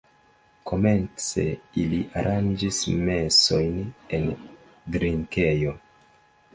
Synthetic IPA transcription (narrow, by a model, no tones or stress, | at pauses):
kʰo̞me̞nt͡se̞̰iliʔaɾʔand͡ʒisme̞so̞jne̞n | dɾiŋkejo̞